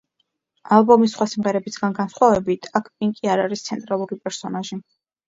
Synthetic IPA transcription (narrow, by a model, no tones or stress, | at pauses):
alˠbɔmisːχwasimʁɛɾɛbisɡanɡansχwavɛbit̪ʰakʰpʼiŋkʼiaɾaɾist̪sʰɛnt̪ʼɾalˠuɾipʼɛɾsɔnaʒi